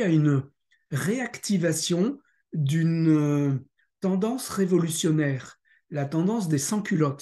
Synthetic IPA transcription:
ayn | ʁeakt̪ivasjɔ̃ | d̪yn | t̪ɑ̃d̪ɑ̃sʁevɔlysjɔnɛːʁ | lat̪ɑ̃d̪ɑ̃s̬d̪esɑ̃kʲylɔt̪

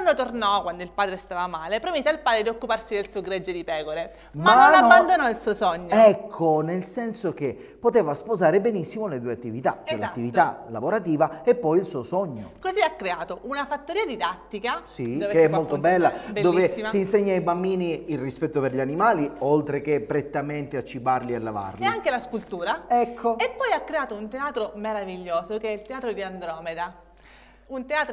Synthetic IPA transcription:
anːot̪ornɔkːwand̪oilpaːd̪ɾest̪aːvamaːlepɾomiːzealpaːd̪ɾed̪iokːuparsid̪elsuoɡɾɛd͡ʒːed̪ipɛːkoɾe | maanːonabːand̪onɔilsuːosɔɲːoɛkʰːonelsɛnsok̟e | pːot̪eːvaspozaːɾebenisːimoled̪uːeat̪ːivit̪a̰t͡ʃɛlat̪ːivit̪ala̰voɾat̪iːvaepːɔjilsuːosɔɲːo̰koziakːɾeaːt̪oʔunafat̪ːoɾiːad̪id̪at̪ːikasiokeɛmːolt̪obɛlːadb̪oːveːissiːnseɲːaajbambiːniːlrispɛt̪ːopeɾʎanimaːliolt̪ɾekepːɾet̪ːament̪eat͡ʃːibarlialːava̰rleiaŋkelaskult̪uːɾaɛkʰːoepːɔjakːɾeaːt̪ount̪eaːt̪ɾomeɾaviʎːoːsokeɛilt̪eaːt̪ɾod̪iand̪ɾɔːmed̪a | unt̪eaːt̪ɾ

